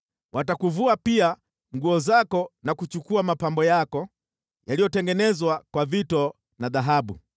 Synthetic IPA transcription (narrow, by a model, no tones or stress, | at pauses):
wʔatakuvuapia | ŋɡuɔzakɔnakut͡ʃukuamapambɔjakɔ | jalijɔtɛŋɡɛnɛzwakwavitɔ | naðaɦaɓu